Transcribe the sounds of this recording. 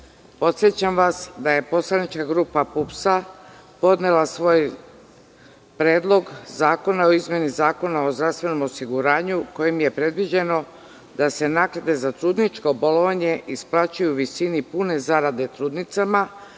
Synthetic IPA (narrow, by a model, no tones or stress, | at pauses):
po̞t̪sjet͡ɕamʋasd̪aje̞po̞slˠanit͡ʃkaɡɾuːpapupsa | po̞d̪nelasʋo̞j | pɾe̞ːd̪lˠo̞ɡzaːko̞nao̞izmje̞nizaːko̞nao̞zd̪ɾast̪ʋe̞no̞mo̞siɡuɾaːɲuko̞jimje̞pɾe̞d̪ʋid͡ʑe̞no̞ | d̪ase̞nakɾad̪e̞zat̪ɾuːd̪nit͡ʃkoboloʋaɲe̞ʔisplˠat͡ɕujuʋisinipune̞zaɾad̪e̞t̪ɾuːd̪nit̪sama